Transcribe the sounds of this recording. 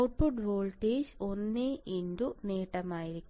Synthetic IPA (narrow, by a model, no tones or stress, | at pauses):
wʈ̚puɖʋoːɭʈeːd͡ʑonːeʔind̪uneːʈːɐmaːjiɾikkʲːu